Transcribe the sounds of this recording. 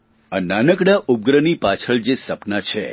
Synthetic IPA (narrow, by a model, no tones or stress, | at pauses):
ananəkɽaʔub̚ɡɾənipat͡ʃʰəɭd͡ʒesəpnat͡ʃʰḛ